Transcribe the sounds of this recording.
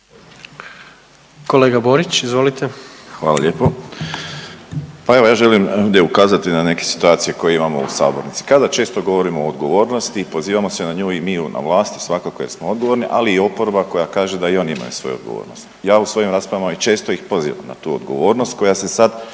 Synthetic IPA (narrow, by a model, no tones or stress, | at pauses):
koleːɡaboɾit͡ɕizʋolit̪exʋaːla̰ʎʲe̞ːpo | pae̞ʋojaːʒe̞limovd̪je̞ukaːzat̪inane̞ke̞si̥t̪uaːt̪sije̞ko̞jeimamo̞̰ṵsa̰ːbo̞̰ɾnit̪si̥kad̪at͡ʃe̞ːst̪o̞ɡo̞ʋo̞ɾimoːd̪ɡo̞ʋo̞ːɾno̞st̪ipo̞ziːʋamo̞senaɲuːimiːuna̰ʋlˠaːst̪i̥sʋakako̞je̞ɾsmoo̞d̪ɡo̞ʋo̞ɾniʔaliːo̞poɾobako̞jakaːʒed̪aionima̰jṵsʋo̞̰juod̪ɡo̞̰ʋo̰ːɾno̰st̪jaːusʋo̞jimɾaːspɾaʋamit͡ʃe̞ːst̪o̞jixpo̞zḭːʋa̰mna̰t̪uːo̰d̪ɡo̞̰ʋo̞ːɾnost̪̚ko̞jase̞sad̪